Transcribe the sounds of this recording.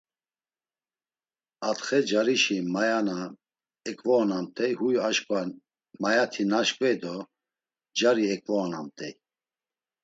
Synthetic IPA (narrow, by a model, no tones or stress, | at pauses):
at̪χɛd͡ʒaɾiʃimajana | ɛkʼvɔːnamt̪ʼɛjhujaʃkʼa | majat̪ʰinaʃkʼvɛjd̪ɔ | d͡ʒaɾiɛkʼvɔːna̰mt̪ʼɛj